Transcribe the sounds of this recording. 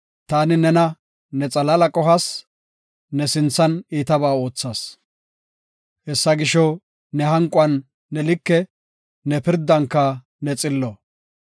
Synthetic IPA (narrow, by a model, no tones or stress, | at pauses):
t̪aːnɪnɛnɐ | nɛt͡sʼɐlɐlɐkʼɔɦɐs | nɛsɪnt͡sːɐniːt̪ɐbaːo̞ːt͡sːaːs | hɛsːɐɡɪʃɔ | nɛɦɐŋkʼʊɐnː | ɛlɪkːɛ | nɛpɪɾd̪ːɐŋkːɐ | nɛt͡sʼɪlːɔ